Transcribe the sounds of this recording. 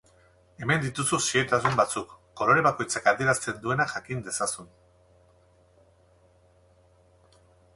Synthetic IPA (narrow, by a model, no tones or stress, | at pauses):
e̞me̞nd̪it̪ususiet̪asumbat͡sukːo̞lo̞ɾe̞βako̞jt͡sakaðie̞ɾast͡s̪e̞nd̪ue̞naxakind̪e̞sasun